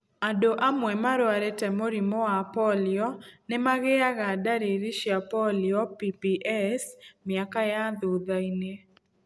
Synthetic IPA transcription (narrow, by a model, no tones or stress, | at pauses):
adoʔamwɛmaɾwaɾɛtɛmoɾimɔapɔlɪɔnɛmaɣɛaɣadaɾeɾiʃiapɔlɪɔpipiʔɛsmɪakajad̪uðaine